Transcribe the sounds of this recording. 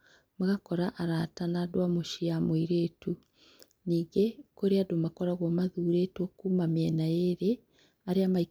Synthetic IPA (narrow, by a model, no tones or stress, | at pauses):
maɣakɔɾaʔaɾatanadwamoʃiamoiɾeːtu | niːɡekoɾeadomakɔɾaɣwɔmaðuːɾeːtwɔkuːmamɛnaeɾe | aɾeamai